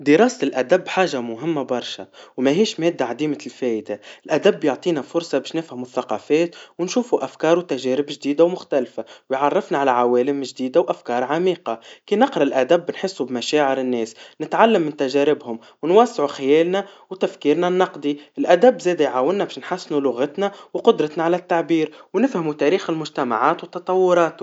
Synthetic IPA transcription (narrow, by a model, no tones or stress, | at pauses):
d̪ɪɾˤɑːst̪ɪlʔæd̪abːħaːʒamʊɦɪmːabɑɾˤʃa̰wmaɦiːʃmɛːd̪ːaʕad̪iːmalfɛːʔd̪aɪlʔæd̪abːjʊʕt̪ˤiːnafʊɾˤsˤɑbæːʃnɪfhamʊθːɑqɑːfɛːt̪wɪnʃuːfuʔafkɑːɾwt̪aʒɛːɾɪbʒd̪iːd̪awmʊxt̪alfawɪjʕɑrˤːɪfnaʕalaʕawɛːlɪmʒd̪iːd̪awʔafkɑːɾˤʕamiːqɑkiːnɪqɾˤɑɪlʔæd̪æbːnħɪsːubmaʃaːʕɪɾɪnːɛːsnɪt̪ʕalːamːɪnt̪æʒæːɾɪbhʊm | wɪnwasːʕuxɪjɛːlnawt̪afkiːɾnanːɑqd̪iɪlʔæd̪æbːzɛːd̪ajʕaːwːɪnːabæːʃnħasːɪnulʊɣat̪nawqʊd̪ɾˤɑt̪naʕalæt̪ːaʕbiːɾwnɪfhamut̪æɾiːxɪlmʊʒt̪ama̰ʕaːt̪wt̪ːɑt̪ˤɑwːʊɾˤɑːt̪u